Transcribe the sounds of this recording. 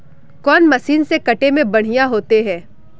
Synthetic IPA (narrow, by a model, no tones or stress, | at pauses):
kɔːnmɐsiːnsekɐʈemẽbɐɽ̤ijaɦoːt̪eɦɛ̃ː